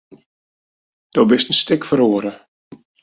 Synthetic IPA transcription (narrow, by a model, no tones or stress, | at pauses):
d̥obɪstn̩stɪkfəɾoːəɾə